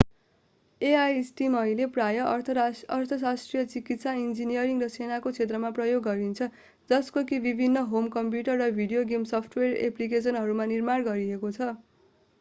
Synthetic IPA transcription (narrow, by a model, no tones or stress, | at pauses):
eajsʈimʌjleprajʌʌrt̪ʰʌsasʈrijʌt͡sikit̪saind͡zinijʌɾiŋrʌsenakot͡sʰet̪rʌmaprʌjoɡːʌɾint͡sʰʌ | d͡zʌskokibibʱinːʌɦomkʌmpjuʈʌrːʌbʱiɽijoɡimsʌpʰʈwerḛplik̬es̬ʌnɦʌɾumanirmarɡʌɾiekot͡sʰʌ